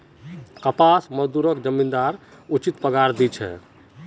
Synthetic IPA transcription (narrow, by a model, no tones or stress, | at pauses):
kəpasməd͡ʒd̪uɾəkd͡ʒəmːind̪aɾ | ut͡ʃit̪pəɡaɾd̪it͡ʃʰɛ̰